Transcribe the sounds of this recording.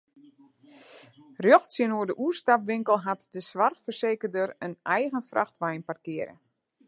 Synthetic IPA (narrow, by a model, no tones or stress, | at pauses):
rjɔxtsjənuərdəʔuəstapʋɪŋkəl̩ˠɦatdəsʋarxfərseːkərdərənɛjɣənfrʔaxtʋajnparkɪəɾə̰